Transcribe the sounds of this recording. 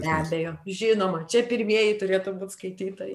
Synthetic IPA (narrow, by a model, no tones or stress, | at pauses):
bʲæːbʲɛjoːʒʲɪnoːmɐt͡ʃʲɛpʲɪɾʲmʲiɛjɪt̪ʊɾʲeːt̪ʊbuːt̪skɐɪt̪ʲiːt̪ɐ